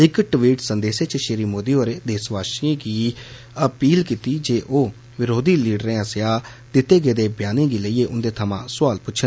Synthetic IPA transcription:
ɪkʈʋiːʈsənd̪eːseːt͡ʃʃeːɾiːmoːd̪iːoːɾeːd̪eːsʋaːʃẽːɡiː | əpiːlkiːt̪iːd͡ʒeːʔoː | ʋɪɾoːd̪iːliːɖɾẽːəsɪjaː | d̪ɪt̪ːeːɡeːd̪eːbjaːnẽːɡiːləiːeːʔʊnd̪eːt̪ʰəmãːsʊaːlpʊːt͡ʃʰən

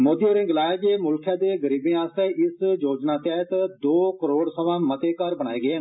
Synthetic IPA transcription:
moːd̪ioːɾɪ̃ŋɡlaːjad͡ʒeːmʊlkʰjãːd̪eːɡəɾiːbẽːaːst̪eːʔɪsjoːd͡ʒnaːt̪ɛːɦt̪d̪oːkəɾoːɽsəʋãːmət̪eːkəɾbəɽaːeːɡeː

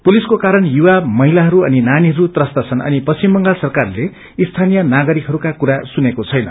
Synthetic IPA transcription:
puliskokaɾʌnjuwamʌɦilaɦʌɾuʌninaniɦʌɾut̪rʌst̪at͡sʰʌnʌ̰nipʌsimːʌŋɡalsʌrkarle | ist̪ʰanijʌnaɡʌɾikɦʌɾukakuɾasunekot͡sʰʌjnʌ̰

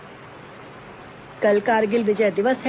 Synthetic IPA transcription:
kəlkaːɾɡɪlʋɪd͡ʒəjd̪ɪʋəse

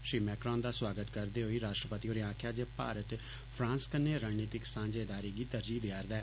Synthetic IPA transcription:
ʃɾiːmɛːkɾãːnd̪aːswaːɡət̪kəɾd̪eːɦoːiːɾaːʃʈɾəpət̪iːɦoːɾeːãːkʰjaːd͡ʒeːpa̰ːɾət̪ | pʰɾãːnskənːeːɾaːneːt̪ɪksãːnd͡ʒeːd̪aːɾiːɡiːt̪əɾd͡ʒiːd̪ɪaːɾd̪ɛː

